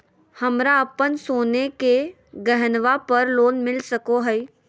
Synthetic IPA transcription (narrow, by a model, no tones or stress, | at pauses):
hɐmɾaɐpənsoːneke | ɡəɦnʋapɐɾloːnmɪlsɐkoɦɛj